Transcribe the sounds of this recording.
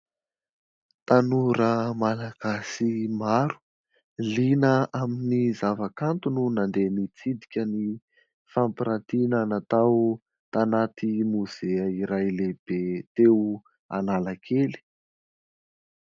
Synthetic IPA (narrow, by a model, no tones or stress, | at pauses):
t̪anuɾəmalaɡ̥asimaɾu̥ | linəaminizavakant̪ununand̪enit͡sid̪i̥kʲəni | fampiɾat̪inanat̪aw | t̪anat̪imuz̥eəiɾajleb̥et̪e | a̰nalakʰeli̥